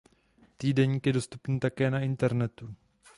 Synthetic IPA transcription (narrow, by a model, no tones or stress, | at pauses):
t̪iːdɛɲiːkjɛdo̞st̪upniːt̪akɛːnaɪnt̪ɛɾnɛt̪u